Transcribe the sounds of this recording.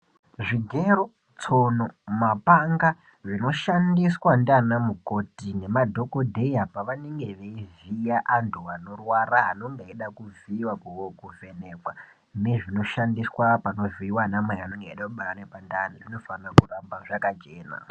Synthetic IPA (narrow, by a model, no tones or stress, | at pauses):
ʐiɡʱeɾo | t͡sonomapaŋɡa | ʐino̞ʃandiswandanamuko̞tine̞madʱo̞kodʱe̞iapaʋaneŋɡe̞ʋe̞ivijaʔantʰuano̞rwaraɦano̞ŋɡeeɗakuviwakuokuve̞ne̞ːkwa | neʐino̞ʃandiswapano̞viiwanamaianoŋɡeiɗakuɓaɾanepandaːnaʐino̞farakurambaʐakat͡ʃe̞ːna̰